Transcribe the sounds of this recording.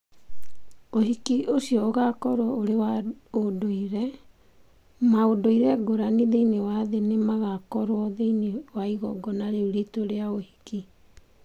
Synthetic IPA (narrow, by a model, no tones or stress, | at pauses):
ohikiʔosiɔoɣakɔɾwɔoɾewaodoiɾɛ | maodoiɾɛɡoɾaniðeinewaðenemaɣakɔɾwɔðeinewaiɣɔ̰ɡɔnaɾeuɾitoɾeaohiki